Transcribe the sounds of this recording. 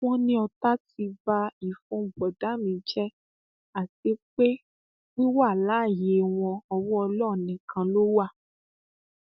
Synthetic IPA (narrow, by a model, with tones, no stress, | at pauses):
w̃ɔ̃˦nĩ˦ɔ˧ta˦ti˧ba˧i˦˨fũ˧˦˨bɔ˨da˨˦mĩ˧˦d͡ʒɛ˦ | a˨te˨˦k͡pe˦ | nĩ˦wa˦˨la˨˦˨je˨˦w̃ɔ̃˧ɔ˧wɔ̃˦ɔ˧lɔ˦˨nĩ˨kʰã˧lo˦wa˦˨